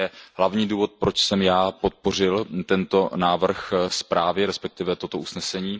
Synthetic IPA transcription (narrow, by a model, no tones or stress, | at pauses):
ɛɦlavɲiːduːvo̞t̪̚pɾo̞t͡ʃsɛmjaːpo̞t̪̚po̞r̝ɪlt̪ɛnt̪o̞naːvr̩xspɾaːvɪɾɛspɛk̚t̪ɪvɛt̪o̞t̪o̞ʔusnɛsɛɲiː